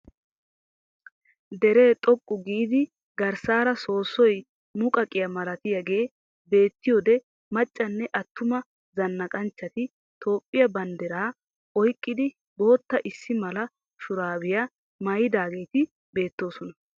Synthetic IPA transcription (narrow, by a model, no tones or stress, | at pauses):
d̪ɛɾeːt̪ʼɔkʼːʊɡiːd̪ɪ | ɡɐɾsaːɾɐso̞ːsːɔj | mʊkʼɐkʼːɪjɐmɐlɐt̪ɪjɐɡe̞ː | be̞ːt̪ːɪjoːd̪ɛ | mɐt͡ʃʼːɐnːɛʔɐt̪ːʊmɐ | zɐnːɐkʼɐnt͡ʃːɐt̪ɪ | t̪ʰo̞ːpʼːɪjɐbɐnd̪ɛɾaː | ɔjkʼːɪd̪ɪ | bo̞ːt̪ːɐʔɪsːɪmɐlɐ | ʃʊɾaːwɪjɐ | mɐjɪd̪aːɡe̞ːt̪ɪ | be̞ːt̪ːo̞ːsɔnɐ